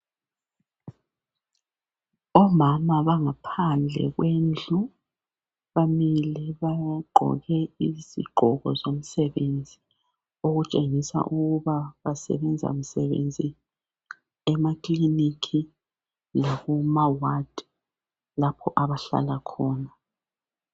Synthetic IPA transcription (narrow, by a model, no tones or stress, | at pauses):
ɔmamaβaŋapʰand͡ɮʱɛ̰ɣwend͡ɮʱu | βamiliβaɡ͡ǃʱɔ̰ɣɛizḭɡ͡ǃʱɔɣɔ̰zom̩sɛβend͡zʱi | oɣut͡ʃʼeŋisa̰ʔuɣuβaβasɛ̰βɛnd͡zʱa̰m̩sɛβḛnd͡zʱi | ɛmakʼlinikʰi | laɣumawad̥ | lapʰɔʔaβaɬa̰lakʰɔːna